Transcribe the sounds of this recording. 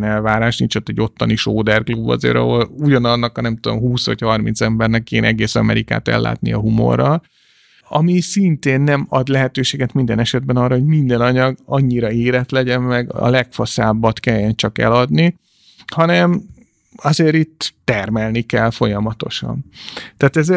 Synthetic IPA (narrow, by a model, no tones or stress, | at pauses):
nɛlvaːɾaːʃnint͡ʃot̪ːɛɟːo̞t̪ːɒniʃoːd̪ɛrklubːɒ̰zḛːɾɒ̰ɦo̞luɟɒnɒnːɒkhnɛmt̪ud̪o̞̰mɦuːsʋɒ̰chɒrmḭnt̪sɛmbɛrnɛkːeːnʔɛɡeːsɒmɛ̰ɾika̰ːt̪ɛ̰lːa̰ːt̪nḭɒɦumo̞̰rːɒl | ɒmisint̪eːnːɛmɒd̪lɛɦɛt̪øːʃeːɡɛt̪mind̪ɛnɛʃɛd̪̚bɛnɒrːɒɦoɟmind̪ɛnɒɲɒɡɒɲːiɾɒeːɾɛt̪lɛɟɛmmɛɡɒ̰lɛkfɒsaːbːɒt̪kɛjːɛnt͡ʃɒkɛ̰lɒd̪ni | hɒnɛm | ɒzeːɾit̪ːɛrmɛlnikɛlfo̞jɒmɒt̪o̞̰ʃɒ̰nt̪aːt̪ɛze